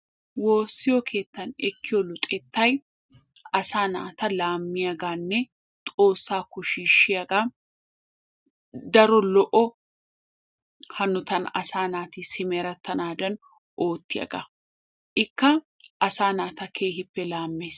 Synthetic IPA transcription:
wo̞ːsːɪjɔkʰe̞ːt̪ːɐnɛkːɪjɔlʊt̪ʼɛt̪ːɐj | ɐsaːna̰ːt̪ɐlaːmːɪjaɡaːnːɛ | t̪ʼo̞ːsːaːkʊʃiːʃːɪjɐɡa | d̪ɐɾɔlɔʔɔ | hɐnːʊt̪ɐnɐ̰saːnaːt̪isɪmeɾɐt̪ːɐnaːd̪ɐn | ʔo̞ːt̪ːɪjɐ̰ɡa | ʔɪkːɐ | ʔɐsaːnaːt̪ɐkʰe̞ːɦɪpːɛlaːmːeːs

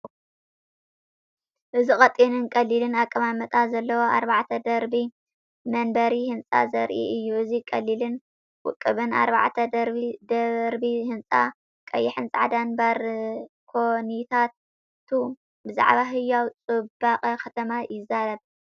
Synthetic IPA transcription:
ʔɨzixʼɐt̪ʼːinɨnkʼɐlilɨnakʼːɐmamɐt̪ʼazɐlːɐwoʔa̰ɾbaʕt̪ʰɐd̪ɐɾbi | mɐnbɐɾihɨnt͡sʼa̰zɐɾʔḭʔɨjːuʔɨzikʼɐlːilɨn | wʊ̰kʼːɨβɨna̰ɾba̰ʕt̪ʰɐd̪ɐɾid̪ɐɾbihɨnt͡sʼa̰ | kʼɐ̰jːɪħɨnsʼaʕad̪anbaɾ | kʰonit̪ʰat̪ | t̪ʰu | bɨza̰ʕbaɦɨjːawt͡sʼɨbaqʼɐkʰɐt̪ʰɐmajɪzaɾɐβ

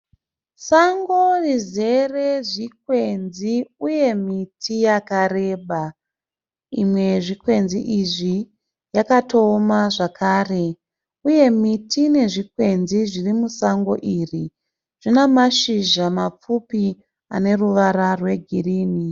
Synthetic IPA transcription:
saŋɡorize̞re̞ʐik̚we̞nziuje̞mitʰijakare̞ːɓa | ḭmwe̞ʐikwe̞nzḭʔiʐi | jakatoːmaʐakʰaːre̞ | uje̞mitʰine̞ʐikwe̞nziʐirimusaŋɡo̞̰ʔiːri | ʐ̥inamaʃiʒamap͡fupi | ane̞ruʋaɾarwe̞ɡʱiriːni

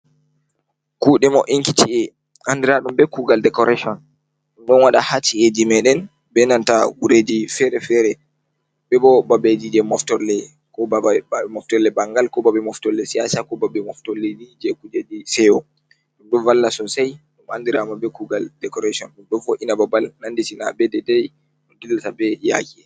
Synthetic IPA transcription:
kuːɗɛmɔʔiŋkitʰiɛ | ʔandiɾaɗumbɛkuɡaldɛkɔɾaʃɔn | ɗumɗɔnwaɗahat͡ʃːied͡ʒimɛɗɛn | bɛnantawuɾed͡ʒifɛɾɛfɛɾɛ | bɛbɔbabed͡ʒid͡ʒɛmɔftɔɾlɛ | kɔbɛmɔftɔlɛbaŋɡalkɔbabɛmɔftɔlːɛsijasakɔbabɛmɔftɔlːed͡ʒid͡ʒɛkud͡ʒed͡ʒisɛwɔ | ɗumɗɔnvalːasɔnsajɗumandiɾamabɛkuɡaldɛkɔɾasiɔnɗumɗɔnfɔʔinababalnanditina̰bɛdɛdɛj | ɗɔndilːatabɛja̰kiɛ

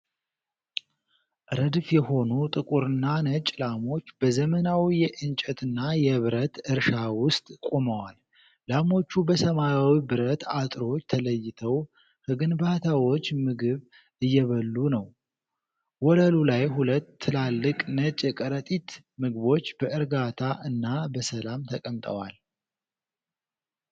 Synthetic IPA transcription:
ʔɾəd̪fjɛho̞nut̪ʼɨkʼuɾɨnːanət͡ʃʼlamo̞t͡ʃːb̥əzəmənawijɛʔɨnt͡ʃʼɛt̪ʰɨnːajɛβɨɾət̪ɨɾʃawʊst̪ʼkʼoməwal | lamo̞t͡ʃːubəsəmajawibɨɾət̪ʰat̪ʼɾo̞t͡ʃːt̪ʰələjːɪt̪ʰəw | hɨɡɨnbat̪ʰawo̞t͡ʃːmɨɡɨβ | ɨjːɛβəlːunəw | wɔləlulajɦulət̪ʰːɨlalːɨkʼnət͡ʃʼɛkʼəɾət̪ʼit̪ | mɨɡβo̞t͡ʃːb̥əʔɨɾɡat̪ʰaʔɨnːabəsəlamt̪ʰəkʼəmt̪ʼə̰wa̰l

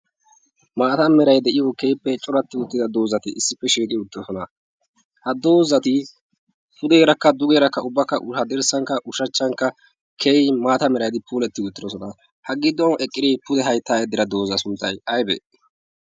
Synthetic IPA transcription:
maːt̪ɐmɛɾɐjd̪ɛʔɪjokejpːɛt͡ʃʼɔɾɐt̪ːɪʊt̪ːɪd̪ɐd̪oːzɐt̪ɪʔɪsːɪpːɛʃiːkʼɪʊt̪ːɔsɔnɐ | hɐd̪o̞ːzɐt̪ɪ | pʊd̪eːɾɐkːɐd̪ʊɡeːɾɐkːɐʊbːɐkːɐʔʊhɐd̪ɛɾsɐŋkːɐʔʊʃɐt͡ʃːɐŋkːɐ | kʰejmaːt̪ɐmɛɾɐjd̪ɪpuːlɛt̪ːɪʊt̪ːɪd̪ɔsɔnɐ | hɐɡɪd̪ːɔnɛkʼːɪd̪ɪpʊd̪ɛɦɐjt̪ːaːjɛd̪ɪɾɐd̪oːzɐsʊnt̪ːɐjɐjbɛ̰

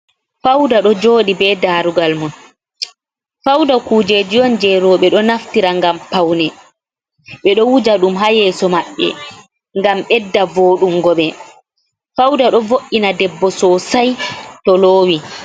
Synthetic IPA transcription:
fawdaɗɔd͡ʒoːɗibɛdaːɾuɡalmun | fawdakuːd͡ʒed͡ʒijɔnd͡ʒɛɾɔɓɛɗɔnaftiɾaŋɡampawnɛ | ɓɛɗɔwud͡ʒaɗumɦajɛːsɔmaɓːɛ̰ | ŋɡamɓɛdːavoːɗuŋɡɔɓɛ | fawdaɗɔvoʔinadɛbːɔsɔsajtɔloːwi

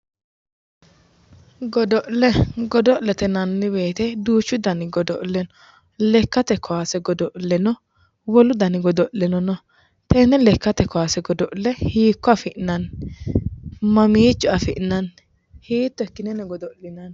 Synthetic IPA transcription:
ɡɔd̪ɔʔlɛɡɔd̪ɔʔlɛt̪ɛnɐnːɪbe̞ːt̪ɛd̪uːt͡ʃːʊd̪ɐnɪɡɔd̪ɔʔlːɛnɔ | lɛkːɐt̪ɛkʰːɔwaːsɛɡɔd̪ɔʔlːɛnɔ | wɔlʊd̪ɐnɪɡɔd̪ɔʔlɛnɔnɔ | t̪ɛnɛlɛkːɐt̪ɛkɔwaːsɛɡɔd̪ɔʔlɛhiːkːɔɐfɪʔɪnɐn | mɐmiːt͡ʃːʊɐfɪʔnɐn | hiːt̪ːɔɛkːɪnɛnɛɡɔd̪ɔʔlɪnɐn

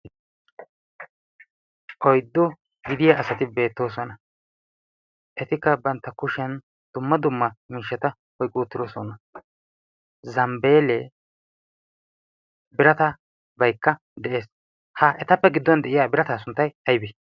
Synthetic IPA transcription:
ʔɔjd̪ːɔ | ɡɪd̪ɪjaʔːsɐt̪ɪbe̞ːt̪ːo̞ːsɔnɐ | ʔɛt̪ɪkːɐbɐnt̪ːɐkʊʃɛn | d̪̥ʊmːɐd̪ʊmːɐmiːʃːɐt̪ɐ | hɔjkʼːuːt̪ːɪɾoːsɔnɐ | zɐmbe̞ːlɛ | bɪɾɐt̪ɐ | bɐjkːɐ | d̪ɛʔe̞ːs | hɐʔɛt̪ɐpːɛɡɪd̪ːɔnd̪ɛʔɪjaːbɪɾɐt̪aːsʊnt̪ːɐjɐjbi

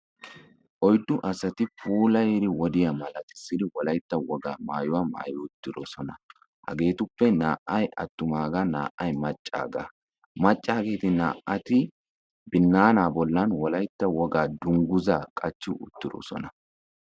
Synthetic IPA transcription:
ʔɔjd̪ːʊʔɐsɐt̪ɪpʰuːlɐjɛɾɪwɔd̪ɪjɐmɐlɐt̪ɪ̥sːɪd̪ɪwɔlɐjt̪ːɐwɔɡa̰ːma̰ːjʊwama̰ːjɔʊt̪ːɪɾɔsɔnɐ | hɐ̰ɡe̞ːt̪ʊpːɛnaːʔɐjɐ̰t̪ːʊmaːɡɐna̰ːʔːɐjmɐt͡ʃʼːa̰ːɡa̰ː | mɐt͡ʃʼːaːɡe̞ːt̪ɪnaːʔʔɐt̪ɪ | bɪnːaːnaːbɔlːɐnwɔlɐjt̪ːɐwɔɡaːd̪ʊŋɡʊzaːkʼɐt͡ʃːʊʔʊ̰t̪ːɪɾɔ̰sɔ̰nɐ

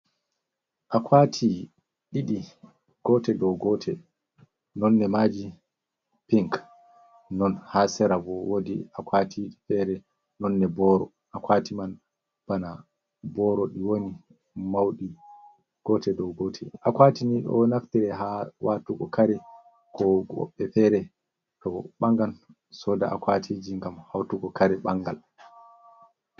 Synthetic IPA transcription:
ʔakʰwaːtʰi | ɗiɗi | ɡ̥ɔtɛdɔwɡɔːtʰɛ | nɔnːɛmad͡ʒi | piŋk | nɔnhasɛɾavɔwodḭakwatʰifɛɾɛ | nɔnːɛbɔːɾɔ̰ | ʔakwaːtiman | b̥ana | bɔɾɔɗiwoni | mawɗi | ɡ̥ɔtɛdɔwɡɔtʰɛ̰akwaːtiniɗɔ̰naftiɾɛhawatuɡɔkaɾɛ | kɔɡɔ̰ɓːɛfɛɾɛ | tɔɓaŋɡan | sɔda̰ʔa̰kwatʰid͡ʒiŋɡamhawtuɡɔkaɾɛɓaŋɡal

